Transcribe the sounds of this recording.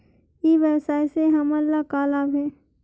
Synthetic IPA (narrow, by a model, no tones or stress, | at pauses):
eːʋɛːsaːeseɦɐmɐlːakaːlaːbɦɛː